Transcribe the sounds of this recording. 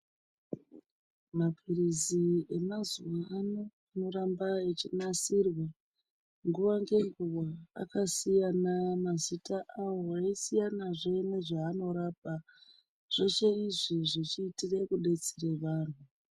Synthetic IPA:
mapwiɾizie̞mazuwanoano̞ɾambaet͡ʃinasirwa | ŋɡuʋaŋɡe̞ŋɡuwa̰ːkasijanamazitaʔawo̞eisijanaʐene̞ʐaːno̞ɾap̚a | ʐ̥o̞t͡ʃeiʐiʐit͡ʃiːtire̞kuɗe̞t͡sire̞ʋaːn̤u

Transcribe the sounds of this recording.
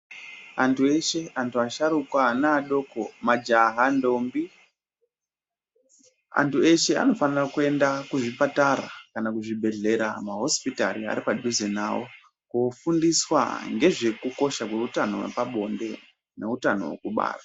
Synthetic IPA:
antueʃe̞antuaʃaɾukwanaːɗoko̞mad͡ʒaɦando̞mbi | a̰ntue̞ʃe̞a̰no̞fanirakue̞ndakuʐipataɾa̰kanakuʐibʱe̞ɮe̞ɾamaɦo̞spitaɾia̰ɾipaɗuzena̰wo̞ | kofundiswa̰ŋɡe̞ʐe̞kuko̞ʃakweutano̞̰wḛpaɓo̞nde̞ | ne̞utano̞̰wḛkuɓa̰ːra

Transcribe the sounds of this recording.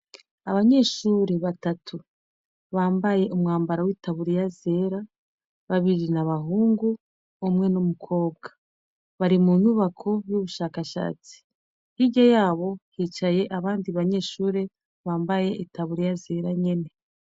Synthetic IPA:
aβaɲe̞ʃuːɾe̞βatatʰu | βaːmbaje̞ʔumŋaːmbaɾawiːtaβuɾijaze̞ːɾa | βaβiɾinaβaɦuːŋɡu | omŋe̞numukʰo̞ːb̚ɡa | βaɾimun̥uβakʰo̞βjuβuʃaːkaʃa̰ːt͡si̥ | hiɟajaːβo̞hiːt͡ʃaje̞ʔaβaːndiβaɲe̞ʃuːɾe̞ | βaːmbaje̞ʔitaβuɾijaze̞ɾaɲe̞ne̞

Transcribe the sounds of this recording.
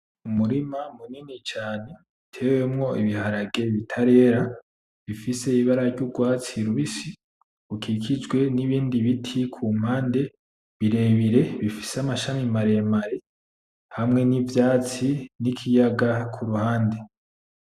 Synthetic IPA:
umuɾimamuninit͡ʃaːne̞ | tʰe̞ːwe̞mŋo̞iβihaɾaɡe̞βitʰaɾe̞ːɾa | βifise̞iβaɾaɾɟuɡwaːt͡siɾuβisi | ukʰikʰid͡ʒɡwe̞niβiːndiβitʰikʰuːm̥haːnde̞ | βiɾe̞βiɾe̞βifi̥samaʃamimaɾe̞maɾe | hamŋe̞nivjaːt͡sinikʰijaɡakʰuɾuhaːnde̞

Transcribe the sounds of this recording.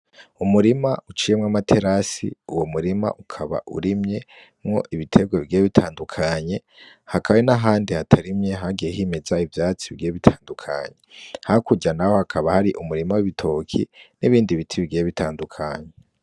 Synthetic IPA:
umuɾima̰ut͡ʃiːje̞mŋamatʰe̞ɾasḭuwomuɾima̰ʔukʰaβa̰ʔṵɾimɲe̞ | mŋo̞̰ʔiβitʰe̞ɡweβiɡijeβitʰaːndukʰaɲe̞ | hakʰaβwenaɦaːndihatʰaɾimɲe̞ɦaɡijehime̞zaivjaːt͡siβiɡieβitʰaːndukʰa̰ɲe̞hakuɟanaho̞hakʰaβahaɾiʔumuɾimawiβitʰo̞kʰḭniβiːndiβitʰiβiɡijeβitʰaːndukʰaɲe

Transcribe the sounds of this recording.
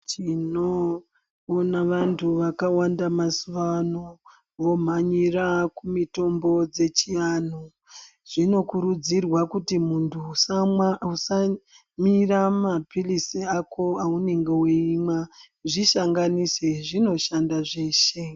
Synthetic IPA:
t͡ʃinoː | naʋantʰuʋakawandamasuʋano | ʋo̞m̤aɲirakumito̞mbo̞d͡ze̞t͡ʃian̤o | ʐ̥ino̞kuɾud͡zirwakutimuntʰu | usa | miramapilisiakʰo̞aune̞ŋɡe̞wiima | ʐiʃaŋɡaniseʐino̞ʃandaʐe̞ːʃe̞

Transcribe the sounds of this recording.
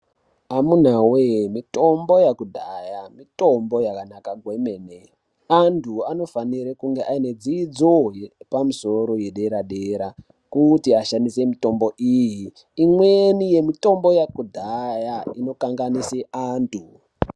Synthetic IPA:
amun̤awemito̞mbo̞jakudʱajamito̞mbo̞jakanakaɡʱwemene | antʰuano̞faniɾekuŋɡe̞ʔaine̞d͡zid͡zojepamuso̞ɾo̞je̞ɗe̞ɾaɗeɾa | kutiaʃandise̞mito̞mbo̞ʔijiː | mwenije̞mito̞mbo̞jakudʱajaino̞kaŋɡaniseʔaːntʰu

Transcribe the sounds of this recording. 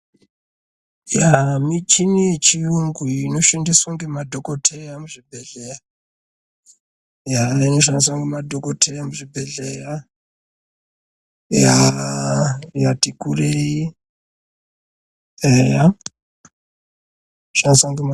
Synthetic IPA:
jamit͡ʃinit͡ʃiuŋɡuinoʃandiswaŋɡemadʱokotʰejamuʐibʱeɮeja | jainoʃ̬andis̬waŋɡemadʱokotʰejamuʐibʱeɮeja | ja | jatikurei | eja | ʃandiswaŋɡem

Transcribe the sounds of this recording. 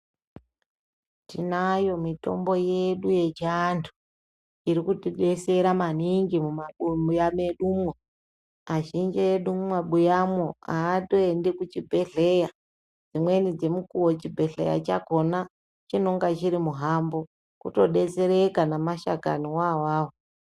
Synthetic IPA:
tinajo̞mito̞̰mbo̞je̞ɗuje̞t͡ʃantʰu̥ | iɾikutiɗe̞se̞ɾamaniŋɡimumaɓumujameɗumwo | aʒind͡ʒejeɗuumaɓujamoaːto̞e̞ndekut͡ʃibʱe̞ɮe̞ja | d͡zimwe̞nid͡zemukuwot͡ʃibʱe̞ɬḛja̰t͡ʃako̞na | t͡ʃino̞ŋɡat͡ʃiɾimuɦambo̞ | kuto̞ɗe̞t͡se̞ɾekanamaʃaka̰niwawaːwo

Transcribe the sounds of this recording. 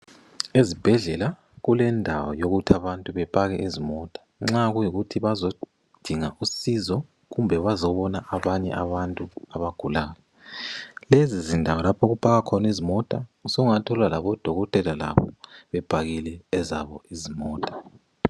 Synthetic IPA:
ezib̥ʱɛɮɛla | ɣulɛndʱawɔ̰joɣutʰiaβantʼuβɛpʼaɣɛʔizimɔtʼḁŋ͡ǁaɣujiɣutʰiβazo | d̥ʱiŋaʔusizɔ | ɣumbʱɛβazɔβɔnaʔaβaɲɛ̰ʔaβantʼuaβaɡ̥ʱulaːlɛ | lezizindʱawɔlapʰoɣupʼaɣakʰɔnizimɔtʼausoɣuŋatʰɔlwalaβɔd̥ʱɔɣɔtʼɛlala̰βɔ̰βɛb̥ʱaɣilɛɛza̰βɔizimɔːtʼḁ

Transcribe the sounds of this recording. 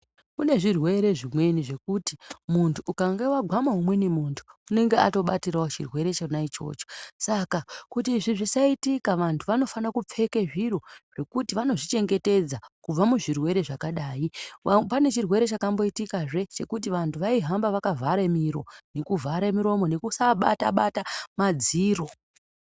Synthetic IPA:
kune̞ʐirwe̞ɾe̞ʐimwe̞niʐe̞kutimuntʰuːkaŋɡewaɡʱwamaɦumwe̞nemuntʰu̥une̞ŋɡe̞ato̞ɓatiɾaot͡ʃirwe̞ɾe̞t͡ʃenait͡ʃo̞̰ːt͡ʃo̥sakakutiːʐiʐisaitikaʋantʰuʋano̞fanakup͡fe̞ke̞ʐiɾo̞ʐ̥e̞kutiʋano̞ʐit͡ʃe̞ŋɡe̞te̞d͡zakub͡vamuʐirwe̞ɾe̞ʐakaɗaːjipane̞t͡ʃirwe̞ɾe̞t͡ʃakambo̞itikaʐe̞t͡ʃe̞kut̬iʋantʰuʋaiɦambaʋakavʱaɾemiɾo̞̰nekuvʱaɾemiɾo̞mo̞ne̞kusaɓa̰taɓatamad͡ziːro̞

